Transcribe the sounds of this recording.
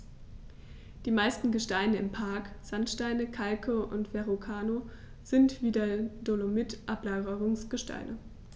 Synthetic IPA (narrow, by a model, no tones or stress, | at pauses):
d̥iːmaɪstn̩ɡəʃtaɪnəɪmpʰaɐkz̥antʃtaɪnəkʰalkʰəʔʊ̰ntv̥ɛʁokʰaːno | z̥ɪntv̥iːdadolomɪtʔaplaːɡəʁʊŋsɡ̥əʃta̰ɪnə